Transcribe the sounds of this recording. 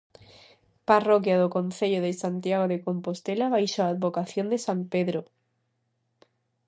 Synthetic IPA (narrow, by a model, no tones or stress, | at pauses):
parokjaðokon̟θeʎoðesant̪jaɣ̞oðekompost̪elaβajʃoaːd̪βokaθjond̪esampeðɾo